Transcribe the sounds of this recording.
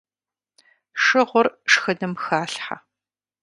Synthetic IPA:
ʂɨʁʷʊrʂxɐdɐmxaːɬħa̰

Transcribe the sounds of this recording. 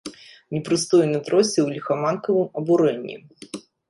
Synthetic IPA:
nʲɛpɾɨst̪ɔjnɨt̪ɾɔsʲɛwlʲixɐmankɐvɨmɐbuɾɛnʲːḭ

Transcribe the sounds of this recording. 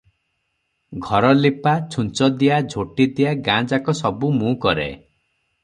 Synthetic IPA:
ɡʱɔɾɔlipat͡ʃʰunt͡ʃɔd̪ijad͡ʒʱoʈid̪ijaɡãd͡ʒakɔsɔbumũkɔɾḛ

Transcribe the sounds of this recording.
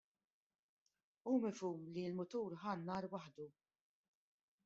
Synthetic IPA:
uːmɪfuːmlilmʊt̪uːɾħɐnːɐːɾwɐħd̪u

